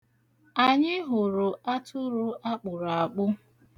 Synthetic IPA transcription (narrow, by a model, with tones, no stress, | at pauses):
a˨ɲɪ˦ɦʊ˨ɾʊ˨a˦tʊ˦ɾʊ˦ʔa˦k͡pʊ˨ɾa˨k͡pʊ˦